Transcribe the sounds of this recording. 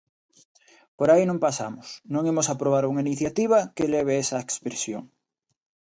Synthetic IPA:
poɾainõŋpasa̰mʊsnõŋimosapɾoβ̞aɾuŋainiθjat̪iβɐkelɛβ̞eɛsaekspɾesjo̰ŋ

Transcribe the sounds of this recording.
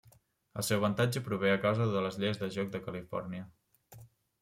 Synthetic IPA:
ə̰lˠsewβənt̪ad͡ʒəpɾuβ̞eəkawzəðələzʎejzðəʒɔk̚d̪əkəlifɔ̰rniə

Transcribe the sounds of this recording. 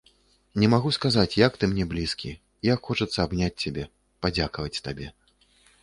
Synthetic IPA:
nʲɛmaɣuskazat͡sʲjɐkt̪ɨmnʲɛblʲiskʲḭ | jakxɔt͡ʂɐt̪sːɐːbnʲat͡sʲtʲabʲɛ | pad͡zʲakɐvɐt͡sʲt̪abʲɛ

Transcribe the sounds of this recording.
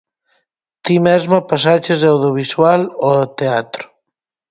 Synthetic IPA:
t̪imɛzmapasat͡ʃezðeawðjoβ̞iswalot̪eat̪ɾo̥

